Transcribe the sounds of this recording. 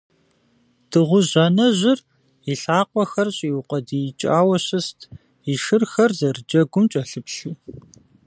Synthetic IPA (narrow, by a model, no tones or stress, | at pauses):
d̥ɨʁʷʊʑɐnɐʑɪr | iɬaːqʷɔxɐrɕʼiwʊqʷʼɐdit͡ʃʼaːwɐɕɨstʰ | iʃɨrxɐrzɐrɨd͡ʒɐɡʷʊmt͡ʃʼɐɬɨpɬɨ